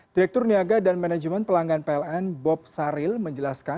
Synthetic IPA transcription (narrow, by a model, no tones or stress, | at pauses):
d̥iɾɛk̚t̪ʊrniaɡadanmanad͡ʒmɛn̚pəlaŋɡanpeɛlɛnbɔp̚saɾɪlməɲd͡ʒəlaska